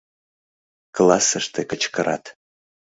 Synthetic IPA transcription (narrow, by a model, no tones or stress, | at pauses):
klˠɑsəʃt̪ekət͡ɕkəɾʔɑ̰t̪